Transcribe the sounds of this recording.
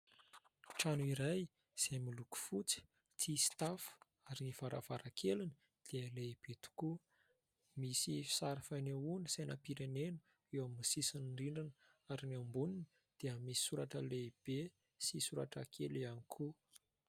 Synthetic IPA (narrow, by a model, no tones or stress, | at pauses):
ʈ͡ʂanuiɾaj | z̥emiluku̥fut͡si̥ | t͡sist̪afu̥ | aɾiniv̥aɾʔa̰v̥aɾakʰeluni̥ | d̪̥iəleib̥et̪u̥ku | misifi̥saɾifaneunisajnapiɾenenə̥ | ewaminisisinɳɖ͡ʐiɳɖ͡ʐinə | aɾiniambunini | d̪̥iəmisi̥suɾaʈ͡ʂəleib̥e | sisuɾaʈ͡ʂakʰelianikʰu